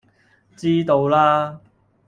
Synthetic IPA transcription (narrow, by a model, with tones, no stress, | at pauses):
t͡siː˥t̪o˧wlaː˥